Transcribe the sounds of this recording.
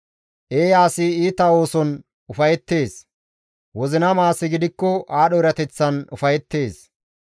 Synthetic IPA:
ʔeːjaːsɪiːt̪ɐo̞ːsɔn | ʊfɐjɛt̪ːe̞ːs | wɔzɪnɐmaːsɪɡɪd̪ɪkːɔʔaːɗɔɪɾɐt̪ɛt͡sːɐnʊfɐjɛt̪ːe̞ːs

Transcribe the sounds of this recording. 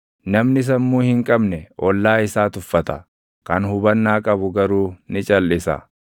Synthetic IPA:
nɐmnɪs̬ɐnmuːhɪŋkʼɐbnɛʔɔlːaːɪsaːt̪ʊfːɐt̪ɐ | kɐnhʊbɐnːaːkʼɐbʊɡɐɾuːnɪt͡ʃʼɐlːɪsɐ̰

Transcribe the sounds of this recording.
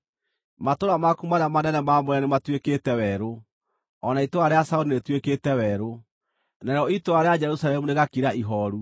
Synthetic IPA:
matoɾamakumanamanɛnɛmamoɾɛnematweketɛwɛɾo | ɔnaitoaɾeasauɾinetweketɛwɛɾo | naɾeɾɔitoaɾead͡ʒɛɾusalɛmuneɣakiɾaʔiɦɔɾu

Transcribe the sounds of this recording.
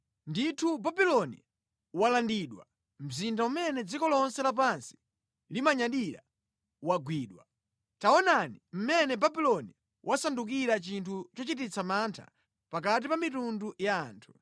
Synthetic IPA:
nditʰubabilɔnḭ | walandiɗwa̰ | m̩zindaumɛnɛd͡zikɔlɔnsɛlap̬ansi̥ | limaɲaɗiɾa̰ | waɡwiːɗwa̰ | taɔnanim̩mɛnɛbabilɔni | wʔasanduk̬iɾat͡ʃintʰut͡ʃɔt͡ʃit̬it͡sʰamantʰa̰ | pakat̬ipamitundujaːntʰu̥

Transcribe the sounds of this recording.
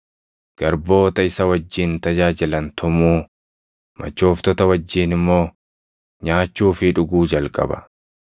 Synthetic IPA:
ɡ̥ɐɾbo̞ːt̪ɐɪsɐwɐd͡ʒːiːnt̪ɐd͡ʒaːd͡ʒɪlɐnt̪ʰʊmuː | mʔɐ̰t͡ʃːoːft̪ɔt̪ɐwɐd͡ʒːiːnɪmːo̞ː | ɲaːt͡ʃːuːfɪᶑʊɡuːd͡ʒɐlkʼɐ̰bɐ̥̰

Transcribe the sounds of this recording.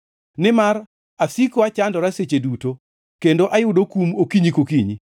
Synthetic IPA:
nɪmar | asikoat͡ʃandɔɾaset͡ʃeduto | kendoʔajʊdokumokiɲikokiɲi

